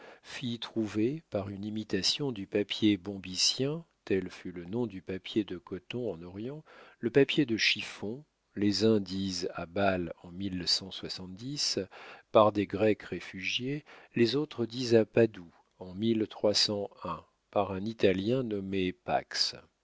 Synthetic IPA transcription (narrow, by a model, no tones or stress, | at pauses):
fit̪χuvepaʁynimit̪asjɔ̃d̪ypapjebɔ̃bisjɛ̃t̪ɛlfylənɔ̃d̪ypapjed̪əkɔt̪ɔ̃ɑ̃nɔʁjɑ̃ləpapjed̪əʃifɔ̃ | lezɛ̃d̪iza̰balɑ̃milːsɑ̃swasɑ̃t̪̚d̪ispaʁd̪eɡʁɛkʁefyʒjelezot̪χəd̪izapad̪u | ɑ̃milt̪χwasɑ̃ɛ̃ | paʁɛ̃nit̪aljɛ̃nɔmepa̰ks